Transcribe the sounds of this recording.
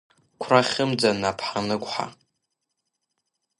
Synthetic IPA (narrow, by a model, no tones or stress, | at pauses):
kʷʰraχʲɪmd͡zanapʰħanɨkʷʼħa̰